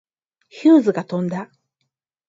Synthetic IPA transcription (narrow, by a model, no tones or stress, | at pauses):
çɨːzɨɡat̪õ̞nd̪a